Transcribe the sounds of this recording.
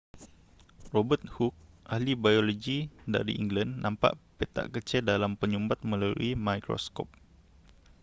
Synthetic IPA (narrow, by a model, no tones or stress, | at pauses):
robət̪̚huk̚ | ʔahlibajoloɡida̰ɾḭʔiŋɡlanːampa̰ʔpet̪a̰ʔkət͡ʃɛldalampəɲumbat̪̚mə̃lalṵimajkɾo̰skɔ̰p̚